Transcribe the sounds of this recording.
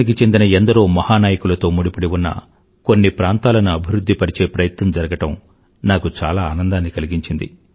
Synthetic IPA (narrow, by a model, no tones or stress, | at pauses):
nik̬it͡ʃe̞nd̪inɐend̪ɐɾoːmɐhaːnaːjɐkulɐt̪o̞ːmuɽipuɽiwunːɐ̰ | ko̞nːipɾaːnt̪aːlɐnuɐbʱiɾud̪ʱːipɐɾit͡ʃe̞ːpɾɐjɐt̪nɐmd͡ʒɐɾɐɡɐʈɐm | naːkut͡ʃaːlaːnɐnd̪aːnːikɐliɡiɲt͡ʃind̪ḭ